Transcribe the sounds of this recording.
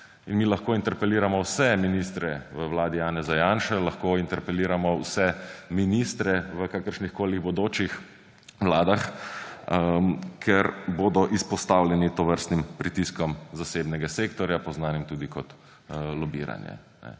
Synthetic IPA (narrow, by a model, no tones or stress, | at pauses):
inmiːlaxkoːint̪ɛɾpɛliːɾamɔwsɛminist̪ɾɛʋəwlaːd̪ijaːnɛzajaːnʃɛlaxkoːint̪ɛɾpɛliːɾamɔwsɛminist̪ɾɛʋəkakəɾʃnixkoːliɣbɔd̪oːt͡ʃix | ʋlaːd̪ax | əmkʰɛɾboːd̪ɔʔispɔst̪awljɛnit̪ɔʋəɾst̪nimpɾit̪iskɔmzaseːbnɛɡaseːkt̪ɔɾjapɔznaːnimt̪uːd̪ikɔt̪ | lɔbḭɾa̰njɛ̰ | nɛ̰